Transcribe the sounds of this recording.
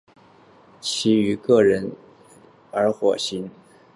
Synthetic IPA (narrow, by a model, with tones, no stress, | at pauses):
t͡ɕʰi˧˥y˧˥kɤ˥˩ɻə˧˥n | ə˧˥xwɔ˨˩ɕi˧˥n